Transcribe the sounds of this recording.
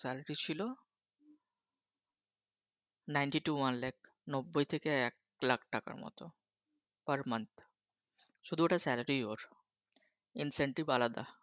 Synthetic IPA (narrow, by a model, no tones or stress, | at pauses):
sɛlɾit͡ɕʰilo | najnɳʈiʈuwanlak | nobːojt̪ʰekeɛk̚ | lakʰʈaka̰ɾmɔ̰t̪o | pəɾmant̪ | ʃud̪ʱueʈasɛlaɾiooɾ | inseɳʈibalad̪a̰